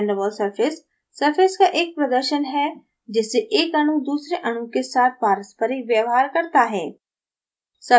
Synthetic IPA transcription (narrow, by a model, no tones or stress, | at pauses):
ɳɖəbəlsɐɾfʰɪsː | ɐɾfʰɪskaʔeːk̚pɾɐd̪əɾʃənɦɛ | d͡ʒɪsːeʔeːkɐɽ̃ud̪uːsɾeʔɐɽ̃ukesaːt̪̚ʰpaːɾəspəɾiʋjəʋɦaːɾkɐɾt̪aɦɛː | sɐ